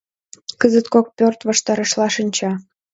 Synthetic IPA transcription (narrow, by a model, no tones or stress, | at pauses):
kəzət̪kok̚pʲørt̪βɑʃt̪ɑɾə̆ʃlɑʃə̆nʲt͡ɕɑ